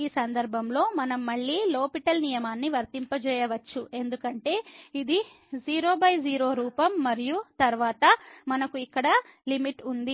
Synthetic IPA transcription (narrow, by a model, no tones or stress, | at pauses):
iːsɐnd̪ɐɾbʱɐmlo̞ːmɐnɐmːɐɭːiːlo̞ːpiʈɐlnijɐmaːnːiʋɐɾt̪impɐt͡ʃɛːjɐʋɐt͡ʃːue̞nd̪ukɐɳʈe̞ːid̪i | d͡ʒiːɾo̞ːbɐjd͡ʒiːɾo̞ːɾuːpɐmːɐɾijut̪ɐɾuʋaːt̪ɐmɐnɐkuikːɐɽɐ | limiʈund̪i